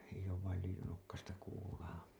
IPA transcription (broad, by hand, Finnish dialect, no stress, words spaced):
eij̆ oːʋ ʋɑil lyijynokːɑstɑ kuːlɑː